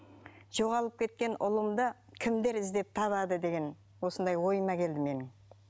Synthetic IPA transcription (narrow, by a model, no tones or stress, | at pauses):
ʒ̥o̞ʁɑlˠəp̚kʲʰe̞t̪kʲe̞nʔʊlˠəmd̪əkʲʰɪmd̪e̞ɾɪzd̪e̞p̚t̪ʰɑβɑd̪əd̪e̞ɡʲe̞n | wo̞sənd̪ɑjwo̞jəmɑkʲʰe̞ld̪ɪme̞nɪŋ